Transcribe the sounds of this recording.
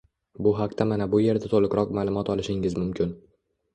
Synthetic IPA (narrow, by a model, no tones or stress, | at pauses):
bʊɦaq̚t̪amanabʊje̞ɾd̪at̪ʰolˠɪkɾɒq̚malˠʊmɒt̪ɒlˠɪʃɪŋɪzmʊmkʲʰɪn